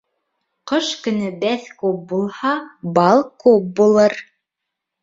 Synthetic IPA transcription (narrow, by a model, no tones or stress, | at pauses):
qɤʃkɵ̆nɵbæθkʉp̚bulˠhɑbɑlˠkʉp̚bulˠɤɾ